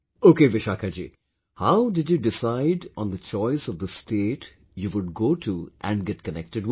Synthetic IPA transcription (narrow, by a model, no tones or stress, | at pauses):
oːkeːʋɪʃakʰad͡ʒḭː | haʊɖɪɖjuɖɪsaɪɖɔ̃nd̪ət͡ʃɔɪsɔvd̪əsʈeːʈ | juʋʊɖ̚ɡoːʈʰuʔæ̰̃nɖɡɛʈkənɛ̰k̚ʈɨɖ